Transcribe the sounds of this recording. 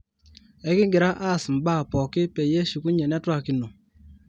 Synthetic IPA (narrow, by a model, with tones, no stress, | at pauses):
ɛ˨˦kɪ˦ŋɡɪ˨ɾa˦ʔa˦˨sm̩˨ba˦˨pɔ˨kɪ˦pe˨je˦su˨ku˦ɲe˨nɛ˦twa˦ki˨no˨